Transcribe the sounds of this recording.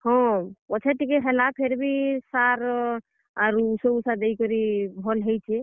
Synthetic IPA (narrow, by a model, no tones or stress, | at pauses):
hɔ̃ɔt͡ʃʰeʈikeɦelapʰeɾbʱisaɾ | aɾusəusad̪eikɔɾibʱɔlɦəjt͡ʃʰɛ